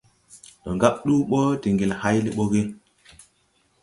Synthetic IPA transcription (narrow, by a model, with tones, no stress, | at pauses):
ɗo˨ŋɡa˦ɓ̚ɗu˦ɓo˦di˨ŋɡi˨lha˦jli˦ɓo˦ɣi˦